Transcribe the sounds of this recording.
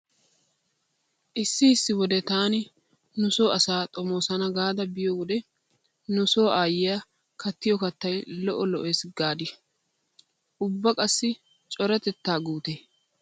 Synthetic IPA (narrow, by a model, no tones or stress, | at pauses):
ʔɪsːɪɪsːɪwɔd̪ɛt̪aːnɪ | nʊso̞ːɐsaːt̪ʼɔmo̞ːsɐnɐɡaːd̪ɐbɪjɔwɔd̪ɛ | nʊso̞ːʔaːjɪja | kɐt̪ːɪjɔkɐt̪ːɐjlɔʔɔlɔʔesɡaːd̪ɪ | ʔʊbːɐkʼɐsːɪ | t͡ʃʼɔɾɛt̪ɛt̪ːaːɡuːt̪eː